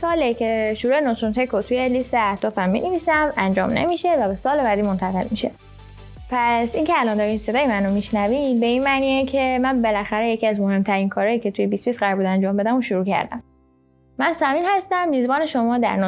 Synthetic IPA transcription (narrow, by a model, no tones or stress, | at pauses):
sɒːlecʰeʃuɾuːenosɾunt̪ekʰot̪ʰujelist̪eæhd̪ɒːfæmːḭːneviːsæmænd͡ʒɒ̰ːmnḛmiʃe̞væbe̞sɒːlebæːd̪iːmont̪ʰæɣe̞̰lmiʃe̞̰ | pʰæsincʰeælɒːnd̪ɒɾimse̞d̪ɒːjemænomiʃnævibe̞inmæːniːecʰe̞mænbe̞læxæɾe̞jecʰiæzmohe̞mt̪ʰæɾiːnkʰɒːɾɒːjiːcʰe̞t̪ʰujebisbisɢæɾbuːd̪ænd͡ʒɒːmbe̞d̪æmuʃuɾuːcʰæ̰ɾd̪æ̰mː | ænsæmiːnhæst̪æmːiːzbɒːne̞ʃo̞mɒːd̪æ̰ɾno